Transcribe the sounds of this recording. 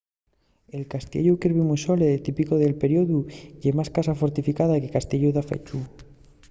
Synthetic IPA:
e̞lkast̪jḛʎukiɾβimuso̞let̪ipiko̞ðe̞lpe̞ɾjoðuʝemaskasafo̞ɾt̪ifikaðake̞kast̪eʎuðafḛt͡ʃu

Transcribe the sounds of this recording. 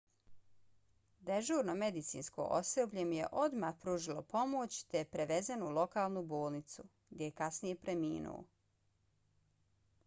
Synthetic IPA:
d̪eʒuːɾnomed̪it̪sḭːnsko̰ːʔo̰sebʎʲemje̞̰ʔod̪maːhpɾuːʒilˠopo̞mot͡ɕt̪epɾeʋe̞zenulˠo̞kaːlˠnuboːlˠnit̪su | ɡd̪ʲjejekasnije̞pɾemiːnṵo̰

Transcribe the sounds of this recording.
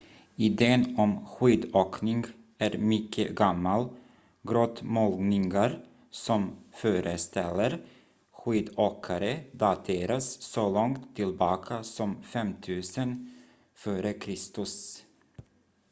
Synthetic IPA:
ɪd̪eːənɔmɧiːd̪oːknɪŋɡ | æɾmʏkʰːə̰ɡamːal | ɡɾoːt̪mɔlnɪŋɡaɾ | sɔmfœːɾʔəst̪ɛlːəɾ | ɧiːd̪oːkʰaɾəd̪ɑt̪ʰeːɾasːɔlɔŋt̪ʰːɪlbɑːkʰasɔmfɛmt̪ʰʉ̟ːsən | føːɾəkʰɾɪst̪ɵs

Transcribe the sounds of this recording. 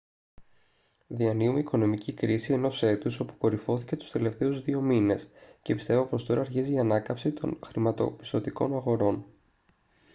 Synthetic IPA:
ðiɐniumeiko̞no̞micikɾisie̞no̞se̞t̪uso̞pu̥ko̞ɾifo̞θice̞t̪u̥st̪e̞le̞ft̪e̞uzðio̞mine̞sce̞pist̪e̞vopo̞st̪o̞ɾɐːɾçiziːɐnɐkɐpsit̪o̞̰nxɾimɐt̪o̞̰pi̥st̪o̞t̪iko̞̰nɐɣo̞ɾo̞n

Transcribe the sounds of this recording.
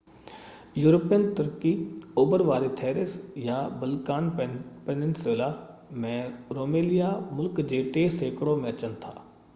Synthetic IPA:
juːɾəpiənt̪əɾkioːbəɾʋaːɾit̪ʰɛːɾɪsjabəlkaːnpenɪnseːlaː | mɛ̃ːɾoːmeːlɪjamʊlkd͡ʒeːʈeseːkɽõmẽɐt͡ʃənt̪ʰa̰ː

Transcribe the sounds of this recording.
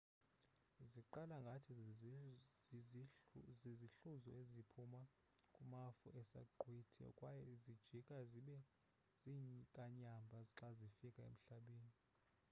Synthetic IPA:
ziǃalaŋɡʱatʰi | ziziɬuzɔezipʰuma | kʼumafṵʔɛsa̰ɡ͡ǃʱwitʰɛ̰ɔ̰kʼwajɛizid̥ʒ̥ʱikʼaziɓɛ | ziɲkʼaɲambʱaziǁazifikʼaḛm̩ɬaɓeːni

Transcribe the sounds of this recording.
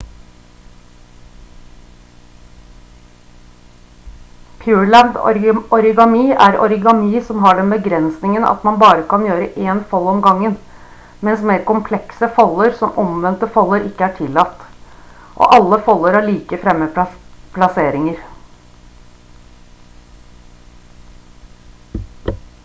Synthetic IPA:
pʰjʉːɹɭænd̪̰ɔɾɪɡɑmiːʔæɾɔ̰ɾɪɡɑmiːsɔmɦɑːɖɛnbəɡɾɛnsnɪŋənɑ̰t̪mɑnbɑːɾəkɑnjøːɾəʔeːnfɑlɔmɡɑŋən | mɛnsmeːɾkʊmpʰlɛksəfɑlːəɾsɔmʔɔmʋɛnt̪əfɑlːəɾɪkːəæʈʰɪlːɑt̪ː | ʔo̰ːʔɑlːəfɔlːəɾɑːɭiːkəfɾɛmːəpʰlɑseːɾɪŋəɾ

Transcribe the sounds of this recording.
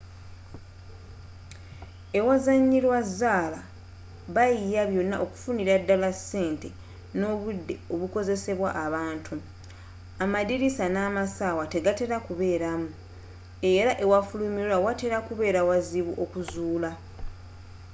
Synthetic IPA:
e̞wazaɲːilwazːaːla | βajijaβjo̞nːa̰ʔo̞ku̥funiɾadːalase̞ːnte̞ | no̞ːβudːe̞o̞βuko̞ze̞se̞βwaʔaβaːntʰu | amaðiɾisanaːmasaːwate̞ɡate̞ɾakuβe̞ːɾamu | e̞ɾaʔe̞wafulumiwawate̞ɾakuβe̞ːɾawaziβuʔo̞kuzuːla

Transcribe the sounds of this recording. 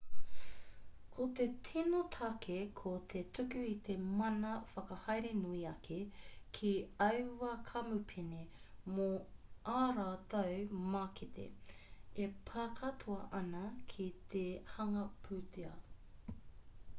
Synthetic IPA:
kʰot̪etʰinot̪ʰɐkʰekʰot̪ʰetʰʉkʉit̪e̞mɐnɐfɐkɐhɐjɾenuiɐkʰekʰiɐwwɐkʰɐmupʰinemoʔaːɾaːt̪ɐwmaːkit̪ḛepʰaːkʰɐt̪ʰuɐʔɐnɐkʰit̪ʰehɐŋɐpʰʉːt̪ʰiɐ

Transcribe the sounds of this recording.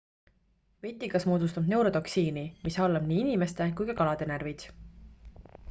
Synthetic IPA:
ve̞t̪ʲːˑikɑsmoːd̪ust̪ɑbne̞wɾo̞t̪o̞ksiːnimisɑlːɑb̥niːinʲime̞st̪e̞kujkɑkɑlɑd̪̥e̞nervid̪̥

